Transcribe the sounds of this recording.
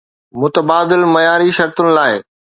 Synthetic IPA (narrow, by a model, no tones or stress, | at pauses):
mʊt̪əbaːd̪ɪlmɐjaːɾiʃɐɾt̪ʊnɪ̆laːɪ